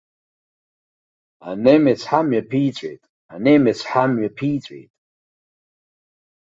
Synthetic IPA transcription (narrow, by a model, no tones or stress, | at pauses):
a̰nemet͡sʰħamɥapʰit͡sʷʼḛjtʼ | anemet͡sʰħamɥapʰiːt͡sʷʼḛjtʼ